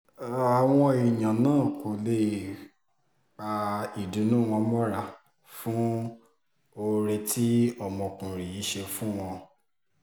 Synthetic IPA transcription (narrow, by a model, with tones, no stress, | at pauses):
a˨w̃ɔ̃˧i˨jã˨nãː˦˨ko˨le˧˨ | k͡pa˧i˨du˨˦nũː˦˨w̃ɔ̃˧mɔ˦ɾa˧ | fũ˦ | o˧ɾe˧tʰi˦ɔ˦˨mɔ̃˧˨kũ˨ɾi˨ji˨˦ʃe˧fũ˦w̃ɔ̃˧